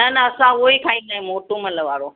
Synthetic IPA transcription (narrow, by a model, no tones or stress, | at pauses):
nɐnɐɐsãoekʰaːĩnd̪aːɦẽmoːʈomɐləʋaːɾo